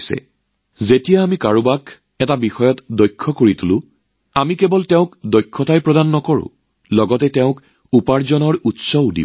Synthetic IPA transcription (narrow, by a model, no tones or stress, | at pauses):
sɛ̰ | zetijaːmikaɹubak | ɛtabixɔjɔtdɔjkʰːɔkoɹitulʊ̃ | amikɛbɔltɛʊ̃kdɔjkʰːɔtʰajpɹɔdanːɔkɔɹʊ̰̃ | lɔɡɔtɛtɛʊ̃k | upaɹzɔnɔɹutsɔudḭ